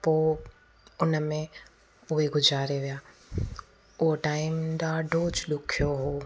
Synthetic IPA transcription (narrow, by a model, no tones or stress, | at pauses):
poː | ʊnəmẽ | ʊɦeɡʊd͡ʒʱaːɾeʋijaː | ʊɦoʈaːɪmɗaːɖʱoːt͡ʃɗʊkʰijoɦoː